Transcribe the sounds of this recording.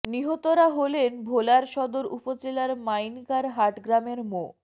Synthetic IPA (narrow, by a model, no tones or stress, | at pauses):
niɦot̪oɾaɦolenbʱolaɾʃɔd̪oɾupod͡ʑelaɾmajnkaɾɦaʈɡɾameɾmo